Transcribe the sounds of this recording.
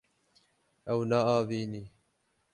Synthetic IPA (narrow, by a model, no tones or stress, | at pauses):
ʔawnaʔaːviːniː